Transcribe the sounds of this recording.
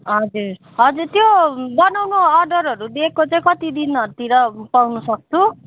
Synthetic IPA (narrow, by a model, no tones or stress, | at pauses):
ɦʌd͡zuɾ | ɦʌd͡zurt̪jobʌnawnoʌrɖʌɾɦʌɾud̪ekʰkot͡saĩkʌt̪id̪inʌt̪iɾʌpawnusʌk̚t͡sʰu